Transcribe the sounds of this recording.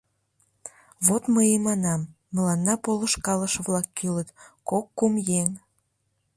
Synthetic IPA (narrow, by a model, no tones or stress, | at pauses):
βot̪məjemɑnɑmː | əlɑnːɑpolə̆ʃkɑləʃəβlɑkːylət̪kokːumjeŋ